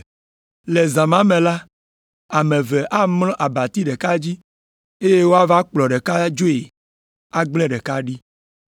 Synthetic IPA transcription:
le˨zã˨mã˦mẽ˨la˦ | a˨mẽ˨vɛ˨ʔa˦mlɔ̃˦ʔa˨ba˨t̪i˦ɖe˨ka˦d͡ʑi˦ | e˦je˦wo˦a˦va˦k͡plɔ˨ɖe˨ka˦d͡ʒo˦e˨ | a˦ɡ͡blɛ̃˦ɖɛ˨ka˦ɖi˦

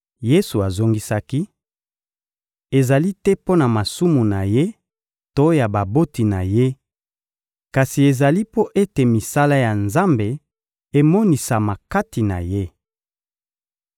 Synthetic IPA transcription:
je˦su˨a˨zo˦ŋɡi˦sa˦ki˦ | e˨za˨li˦tɛ˦po˦na˨ma˨su˦mu˨na˨je˦ | to˦ja˨ba˨bo˦ti˨na̰˨je˦ | ka˨si˨e˨za˨li˦po˦ʔe˦te˨mi˨sa˦la˦ja˨nza˦mbe˨ | e˨mɔ˦ni˨sa˨ma˨ka˦ti˨na̰˨je˦

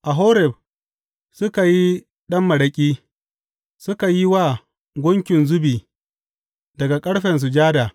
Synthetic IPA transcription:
ʔa˨ɦo˦ɾɛ˨b̚ | sʊ˦ka˨ji˦ | ɗɐ˦mːɐ˨ɽɐ˨kʲʼiː˦ | sʊ˦ka˨ji˦waː˦˨ | ɡʷʊ˦ŋkʲɪ˨nzʊ˦biː˨ | dɐ˨ɡa˨kʼɐ˦ɽɸɛ˨ns̬ʊ˨d͡ʒaː˦da˨

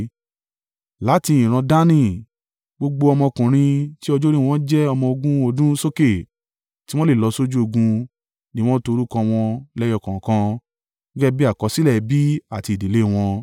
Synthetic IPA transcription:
la˨˦ti˧ĩ˨ɾ̃ã˧da˦nĩ˦˨ | ɡ͡bo˧ɡ͡bo˧ɔ˧mɔ̃˧kũ˨ɾ̃ĩ˧ti˦ɔ˧d͡ʒo˦ɾĩ˦w̃ɔ̃˦d͡ʒɛ˦ɔ˧mɔ̃˧o˧ɡũ˦o˧dũ˦so˦ke˦˨ | ti˦w̃ɔ̃˦le˦˨lɔ˧so˦d͡ʒu˦o˧ɡũ˧ | nĩ˦˧w̃ɔ̃˦to˧ɾu˦kɔ̃˧w̃ɔ̃˧lɛ˦jɔ˧˨kã˨kã˧˦ | ɡɛ˦bi˦a˦˨kɔ˧˦si˦lɛ˦˨bi˦a˦˨ti˧˨di˨le˦˨w̃ɔ̃˧

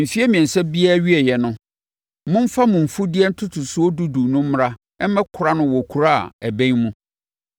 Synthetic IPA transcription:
m̩˨fi˦ɛ˦mĩ˨ɛ˨n˨sɛ˦bi˦a˦ɥi˦ɛ˨jɛ˨nʊ̃˦ | mʊ̃˦m̩˦fa˦mʊ̃˨m̩˨fu˦di˦ɛ˦n̩˦tʰʊ˦tʰʊ˨sʊ˦ɔ˦du˦du˨nʊ̃˦m̩˦m˦ɾa˦ | ɛ˦m˦mɛ̃˦kʰʊ˨ɾa˦nʊ̃˦wɔ˨kʰu˨ɾa̰˦˨æ˨bæ̃˦ŋmũ˦

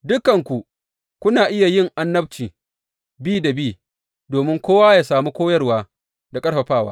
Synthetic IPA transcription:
dʊ˦kːɐ˨ŋkʷu˨ | kʷʊ˦naː˨ʔɪ˦ja˨jɪ˦ŋʔa˦nːɐ˦b̚t͡ʃiː˨ | biː˦da˨biː˦˨ | doː˨mɪ˦ŋkʷoː˦waː˦jaː˨saː˨mu˦kʷoː˦jɐ˦rwaː˦ | da˨kʼɐ˦ɽɸɐ˨ɸaː˦˨wa̰ː˦

